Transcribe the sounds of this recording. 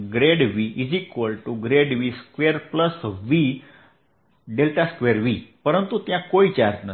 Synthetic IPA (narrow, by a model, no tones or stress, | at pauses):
ɡɾeɽʋiʔid͡zikʋəlʈuɡɾeɽʋiskʋeɾpləsʋi | ɖelʈaskʋeɾʋipəɾənt̪ut̪jãkoit͡ɕaɾd͡ʑnə